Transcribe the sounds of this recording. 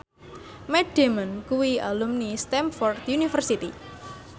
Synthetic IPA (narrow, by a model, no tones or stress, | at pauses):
mɛɖ̥emənkuwialumnist̪ɛmfɔrt̪junifərsit̪i